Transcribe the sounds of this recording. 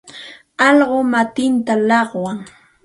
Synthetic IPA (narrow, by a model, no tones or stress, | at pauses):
ɑʎɢomat̪ɪnt̪alɑχwaŋ